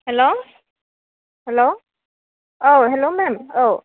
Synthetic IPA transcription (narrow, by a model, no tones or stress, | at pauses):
hɛlo | hɛlo | oɦɛlomɛmo